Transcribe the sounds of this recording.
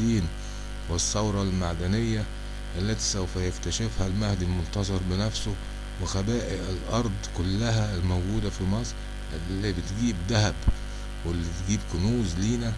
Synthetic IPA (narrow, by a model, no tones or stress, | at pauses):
iːn | wɪsˤːɑwɾˤɑlmaʕd̪ænɪjːæ | ʔælːæt̪i̥sæwfæjɪkt̪æʃɪfhælmæhd̪ilmʊnt̪ɑzˤɑɾˤbɪnæfsʊ | wɪxæbæːʔɪlʔɑɾˤd̪ˤkʊlːæɦælmowɡuːd̪æfimɑsˤɾ | ʔlːibɪt̪ɡiːbd̪æɦæb | welːit̪ɡiːbkʊnuːzliːnæ